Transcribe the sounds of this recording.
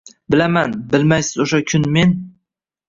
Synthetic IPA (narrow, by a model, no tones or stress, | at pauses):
bɪlamanbɪlmajsɪzoʃakʲʰʊnme̞n